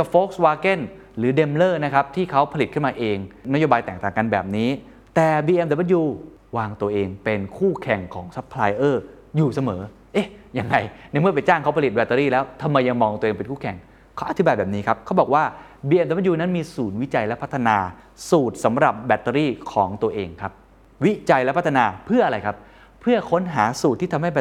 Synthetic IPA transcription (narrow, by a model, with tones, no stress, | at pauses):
ka˨˩foː˦˥k̚swaː˧ke˥˩n | ɾɯː˩˦de˧mlɤː˥˩na˦˥kʰa˦˥p̚t̪ʰiː˥˩kʰa˦˥wpʰa˧li˨˩kʰɯ˥˩nmaː˧ʔeː˧ŋna˦˥joː˧baː˧jt̪ɛː˨˩k̚t̪aː˨˩ŋka˧nbɛː˨˩p̚niː˦˥ | t̪ɛː˨˩biː˧ʔe˧mda˨˩m˦˥t̪̚juː˧ | waː˧ŋt̪u˧ɐʔeː˧ŋpe˧nkʰuː˥˩kʰɛ˨˩ŋkʰɔː˩˦ŋsa˦˥pʰːlaː˧jʔɤː˥˩ | juː˨˩sa˧mɤː˩˦ | ʔe˧˥˩ja˧ŋɾa˧jnɛ˥˩jmɯ˥˩ɐpa˧jt͡ɕaː˥˩ŋkʰa˦˥wpʰa˧li˨˩t̪̚bɛː˧˩t̪ːə˧ɾiː˥˩lɛː˦˥wt̪ʰa˧mːa˧jːa˧ŋmɔː˧ŋt̪u˧ʔeː˧pe˧nkʰuː˥˩kʰɛ˨˩ŋ | kʰɔ˦˥˩ʔa˧t̪ʰi˦baː˧jbɛː˨˩p̚niː˦˥kʰa˦˥p̚kʰa˦˥wbɔː˨˩k̚waː˥˩ | biː˧ʔeː˧md̪̚juː˧na˦˥nmiː˧suː˩˦nwi˦˥t͡ɕa˧jlɛ˦˥pʰa˦˥t̪ʰːa˧naː˧ | suː˨˩t̪̚sa˩˦mɾa˨˩p̚bɛ˨˩t̪ːɾiː˥˩kʰɔː˩˦ŋt̪u˧ɐʔeː˧ŋkʰa˦˥p̚ | wi˦˥t͡ɕa˧jlɛ˦˥pʰt̪ʰːa˧naː˧pʰɯ˥˩ɐʔa˧ɾa˧jkʰa˦˥p̚ | pʰɯ˥˩ɐkʰo˦˥nɦaː˩˦suː˨˩t̪ʰːiː˥˩t̪ʰa˧mɦa˥˩jbɛ˩